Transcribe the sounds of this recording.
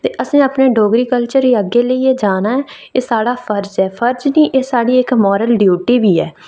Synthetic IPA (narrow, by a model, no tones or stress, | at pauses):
t̪eːʔəsĩːapneːɖoːɡɾiːkəlt͡ʃəɾiːəɡːeːləieːd͡ʒaːnaːɛː | eːsaːɽaːpʰəɾd͡ʒɛːpʰəɾd͡ʒniːʔeːsaːɽiːɪkmɔːɾəlɖjuːʈiːbiːɛː